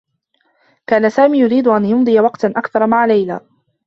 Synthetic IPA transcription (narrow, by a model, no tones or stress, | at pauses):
kaːnasaːmiːjʊɾiːd̪ʊʔanjʊnd̪ˤɨjawɑqt̪ʔakθɑɾˤmaʕalajla̰ː